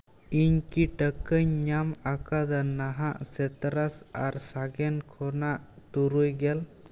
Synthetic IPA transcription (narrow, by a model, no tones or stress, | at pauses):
iɲkiʈəkəɲːamakad̪ənːaɦaʔsɛt̪ɾasaɾsaɡɛnkʰɔnaʔt̪uɾujɡɛl